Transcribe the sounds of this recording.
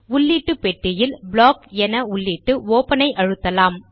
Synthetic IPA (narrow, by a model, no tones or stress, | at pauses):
ʊlːiːʈːɯpɛʈːɪjɪlbɭoːkɛnɐʊɭːiːʈːɯoːpɐnɐɪʔɐɻɯt̪ːɐlaːm